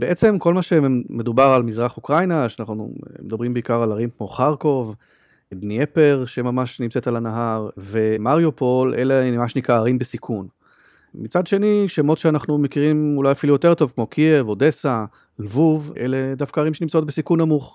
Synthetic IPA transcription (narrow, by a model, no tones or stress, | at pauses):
beet͡se̞mko̞lmaʃeme̞d̪ubaʁalmizʁaχukʁajnaʃeanaχnuṵmed̪abʁimbeikaʁalaʁimkmo̞χaʁko̞v | bniepeʁʃe̞mamaʃnimt͡set̪alanaɦaʁve̞maʁjopo̞lʔeleamaʃnikaːʁimbesikʰun | mit͡sad̪ʃe̞niʃemo̞tʃeanaχnumekiʁimulajafilujote̞ʁt̪o̞vkmo̞kʰievod̪e̞sa | lvuvʔele̞d̪afkaːʁimʃenimt͡sao̞t̪̚besikunamuχ